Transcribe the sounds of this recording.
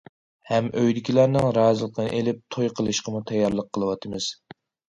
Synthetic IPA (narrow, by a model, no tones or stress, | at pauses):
hɛmʔøjd̪ɪkʲilˠæɾnɨŋɾɑːzɨlˠəqʰənɨ̰ʔelɪp̚t̪ʰojqʰəlˠɨʃqʰəmut̪ʰɛjːɑɾlˠəqʰːəlˠɨwɑt̪ʰɨmɨz̥